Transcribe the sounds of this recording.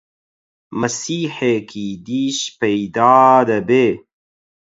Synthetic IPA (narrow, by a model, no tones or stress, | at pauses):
mɐsiːħekʰid̪iːɕpejd̪aːd̪ɐbeː